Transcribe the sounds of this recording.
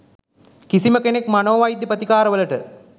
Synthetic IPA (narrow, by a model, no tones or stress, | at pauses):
kisiməkenekmanoːʋajd̪jipət̪ikaːɾɐʋəlɐʈə